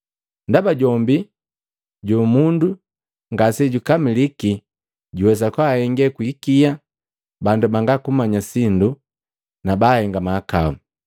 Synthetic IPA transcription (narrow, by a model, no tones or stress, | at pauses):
ndabaɟɔmbi | ɟumundu | ŋɡasɛɟukamiliki | ɟuwɛsakwaːhɛŋɡɛkwikia | bandubaŋɡakumaɲasindu | nabahɛŋɡamaːka̰u